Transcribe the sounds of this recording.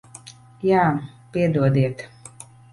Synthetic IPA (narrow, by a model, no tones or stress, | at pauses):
jaː | piɛd̪uɔd̪iɛt̪